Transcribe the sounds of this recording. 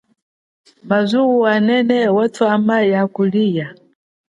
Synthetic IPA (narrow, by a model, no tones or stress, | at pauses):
mazuwuanɛnɛwɛtʰuamajakuliːja